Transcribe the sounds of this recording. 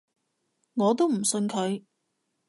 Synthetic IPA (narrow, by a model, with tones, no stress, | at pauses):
ŋɔː˨˧t̪̬o˥wm̩˨˩sɵ˧nkʰɵ˨˧ɥ